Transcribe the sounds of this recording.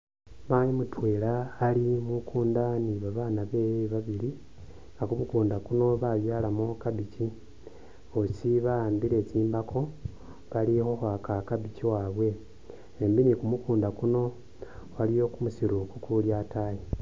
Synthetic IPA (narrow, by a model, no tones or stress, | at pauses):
majimutwe̞ːlaːlimukuːndaniβaβaːnaβe̞ːjeβaβiɾi | ŋɡakumukuːndakuno̞βaβjalamokabici | osiβaaːmbiɾe̞ːciːmbakʰo̞ | βalixo̞xakakabiciwaːβwe̞ | embinikumukuːndakuno̞ | βalijo̞kumusiɾukukuljataje